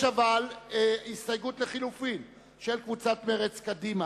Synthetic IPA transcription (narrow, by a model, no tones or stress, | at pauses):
avalist̪ajɡutleχilufin | ʃelkvut͡sat̪meʁet͡skad̪ima